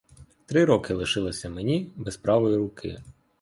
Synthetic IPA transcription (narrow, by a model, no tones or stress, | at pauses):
t̪ɾɪɾɔkɪlˠɪʃɪlˠɪsʲɐmenʲibɛspɾɑʋɔjiɾʊkʰɪ̰